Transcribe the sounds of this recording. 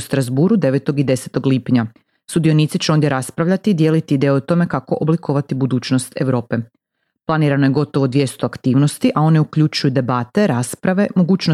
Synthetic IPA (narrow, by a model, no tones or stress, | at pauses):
st̪ɾazbuɾud̪e̞ʋet̪o̞ɡid̪e̞set̪o̞ɡlipɲa | sud̪ioniːt̪sit͡ɕeo̞nd̪je̞ɾaspɾaʋʎat̪iːd̪je̞ːlit̪iːd̪e̞joot̪o̞me̞kako̞ʔoblikʰoʋat̪ibud̪uːt͡ɕno̞st̪e̞̰ʋɾo̞ːpe̞ | plˠaniːɾano̞jeɡo̞t̪o̞ʋo̞d̪ʋje̞st̪o̞akt̪iːʋno̞st̪iʔao̞ne̞ukʎut͡ʃujud̪e̞bat̪e̞ɾaːspɾaʋe̞mo̞ɡuːt͡ʃno